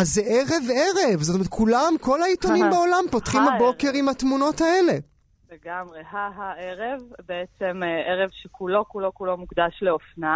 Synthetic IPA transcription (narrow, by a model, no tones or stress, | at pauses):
azːeʔeʁeveʁevzotomeet̚kulamko̞lait̪onimbeo̞lampo̞tχimhabo̞ke̞ʁimhatmuno̞tae̞le̞ | leɡamʁehaɦaeʁevbeet͡semʔeʁevʃekʰulo̞kulo̞kulo̞mukd̪aʃleofna